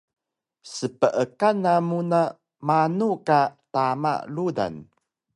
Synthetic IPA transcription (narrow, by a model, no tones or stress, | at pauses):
səpəʔəkanamuna | manukatama̰ʔluda̰n